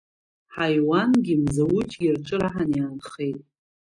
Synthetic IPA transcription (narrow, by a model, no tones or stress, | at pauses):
ħajwanɡʲimzawut͡ʃʼɡʲɪrʈ͡ʂʼɨɾaħanijanχe̞jtʼ